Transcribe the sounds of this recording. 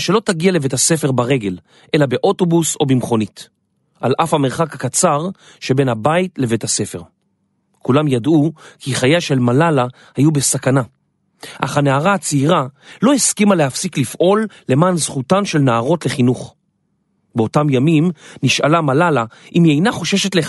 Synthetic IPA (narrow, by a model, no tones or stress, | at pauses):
ʃe̞lo̞taɡiale̞vetase̞fe̞ʁbaʁe̞ɡe̞l | ʔe̞labe̞ʔo̞to̞buso̞bimχo̞nit | ʔalʔafhameʁχakakat͡saʁ | ʃe̞be̞nhabaitle̞vethase̞fe̞ʁ | kulamjadukʰiχajaʃe̞lmalala | hajube̞sakana | ʔa̰χaneaʁat͡siʁalo̞hiskimalehafsiklifʔo̞lːe̞maːnz̥χutanʃe̞lnaːʁo̞tle̞χinuχ | beo̞tamjamimniʃalamalalaʔimiejnaχo̞ʃe̞ʃetle